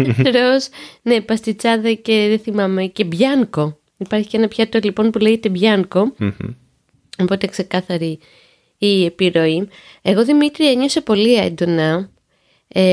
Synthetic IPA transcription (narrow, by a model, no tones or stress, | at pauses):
ɾosne̞pɐst̪it͡sɐðɐce̞ðeθimɐme̞ce̞bʝɐŋko̞ | ipɐɾçi̥cenɐpçɐt̪olipo̞npule̞ʝet̪e̞bʝɐŋko̞ | o̞po̞t̪ekse̞kɐθɐɾi | ie̞piɾo̞i | e̞ɣo̞ðimit̪ɾiɐɲosopo̞lie̞̰nd̪o̞nɐ | e